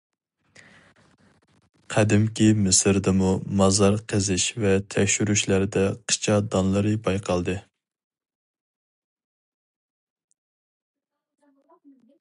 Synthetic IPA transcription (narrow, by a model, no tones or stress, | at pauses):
qʰæd̪ɪmkʲimɪsɾd̪ɪmumɑzɑɾqʰəzɪʃvɛt̪ʰɛkʲʃyɾyʃlæɾd̪ɛqʰə̥t͡ʃʰɑd̪ɑnlˠɨɾɨbɑjqʰɑlˠd̪ɨ